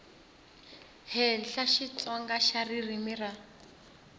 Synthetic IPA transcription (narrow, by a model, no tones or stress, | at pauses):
hɛɬaʃit͡sɔŋɡaʃaririmira